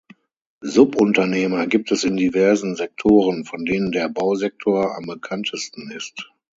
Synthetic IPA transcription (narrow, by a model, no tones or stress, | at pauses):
zʊpʔʊntɐneːmɐɡiːp̚tʰɛsɪndivɛɐzn̩zɛk̚tʰoːʁənfɔndeːnəndeːɐbaʊzɛk̚tʰoːɐa̰mbəkʰantʰəstn̩ɪst